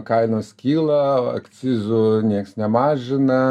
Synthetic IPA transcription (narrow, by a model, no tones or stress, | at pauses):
kɑɪnoːsʲkʲiːlˠɐɐ̰kt̪sʲizʊnʲiɛksnʲɛmɑːʒʲɪnɐ